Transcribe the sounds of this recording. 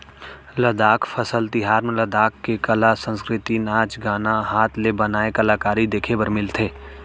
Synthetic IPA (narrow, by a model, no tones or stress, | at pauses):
ləd̪aːkʰfʰəsəlt̪ɪɦaːɾmẽləd̪aːkːekɐlasə̃nskɾɪt̪inaːt͡ʃɡaːnaɦaːt̪ʰlebɐnaːekɐlaːkaːɾid̪eːkʰebəɾmɪlt̪ʰeː